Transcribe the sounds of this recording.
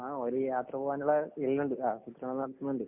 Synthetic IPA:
aːoɾujaːt̪rɐbuːʋaːnuɭeilːuɳɖɨaːsut̪ːrɐɳɐlːnɐɽɐt̪ːunːuɳɖɨ

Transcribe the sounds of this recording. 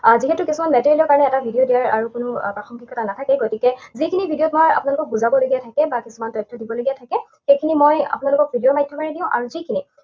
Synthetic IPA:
ziɦɛtʊkisumanmɛtiɹilɔɹkaɹɔnɛɛtabʱidiodijaɹa̰ɹukʊnʊpaxɔmkʰikːɔtʰanatʰakɛɡotikɛzikʰinibʱidijotmoja̰pʊnalʊkɔk̚buzabɔloɡiatʰakɛbakisumantɔjtʰːɔdibɔloɡijatʰakɛ | xejkʰinimoja̰pʊnalʊkɔk̚bʱidijomajtʰjɔkaɹnɛdĩʊ̃ʔa̰ɹuzikʰini

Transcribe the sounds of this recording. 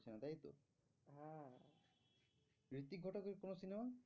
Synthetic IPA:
t͡ɕʰinat̪ajt̪o̰ | ɦã | ɹit̪iɡʱɔʈakeɾkonosinema

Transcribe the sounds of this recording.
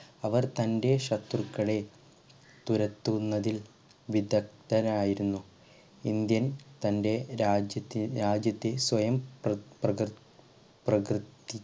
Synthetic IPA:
ɐʋɐrt̪ɐnde̞ɕɐt̪ːrukːɐɭe̞ | t̪uɾɐt̪ːunːɐðil | ʋid̪ɐk̚t̪ɐnaːjiɾunːu | ind̪jɐnt̪ɐnde̞ɾaːd͡ʑjɐt̪ːiɾaːd͡ʑjɐt̪ːe̞sʋɐjɐmprɐ | prɐkrɨt̪ːi

